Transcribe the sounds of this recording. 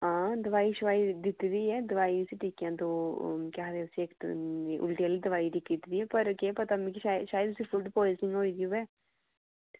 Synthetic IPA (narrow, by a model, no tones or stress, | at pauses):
ãːd̪əʋaːiʃʊʋaːid̪ɪt̪d̪iːɛːd̪əʋaːiʊsiʈiːkjãːd̪oːkaɦd̪eʊsieːk̪ːʔʊ̰lʈiəlid̪əʋaːid̪ikit̪d̪iːɛːpɐɾokepɐt̪amĩːkiʃaːjəʃaːjəd̪ʊsifʰuɖpoːɪznɪ̃ŋɡɦoːid̪iubɛː